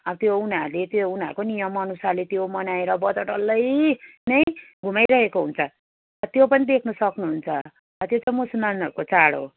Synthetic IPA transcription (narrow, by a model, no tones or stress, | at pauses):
ʌbʌt̪jounaɾlet̪jounaɾukonijʌmʌnusalet̪jomʌnaeɾʌbʌd͡zʌʈʌlːʌjnʌj | ɡʱumajɾʌɦekoɦunt͡sʰʌ | ʌt̪jopʌnid̪ekʰnusʌknuɦunt͡sʰʌ | ʌt̪jot͡saj̃musulmanʌɾukot͡saɽo̰